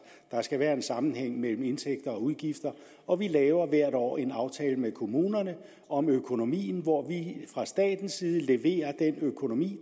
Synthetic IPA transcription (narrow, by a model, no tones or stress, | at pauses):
d̥ɑ̈sɡ̥æʋæːɐe̝nsɑ̈mn̩heŋ̰mel̰m̩e̝nt͡sʰeɡ̥̚d̥ɐɒ̽uðˠɡ̥ifd̥ɐ | ʔɒ̽ʋilɛːʊɐʋæɐ̰ɾɒ̰ːe̝nɑ̈ʊt͡sʰɛːləmekʰo̝muːnɐnə | ɒ̽møkʰo̝no̝mḭːn̩ʋɒʋifʁɑ̈sd̥ɛ̰ːd̥n̩siːð̞̩ˠəle̝ʋe̝̰ːɐd̥enøkʰo̝no̝mḭː